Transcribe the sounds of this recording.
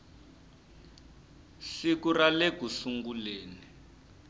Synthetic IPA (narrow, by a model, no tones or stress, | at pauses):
sikuraleɡ̥ʱusuŋɡuleːni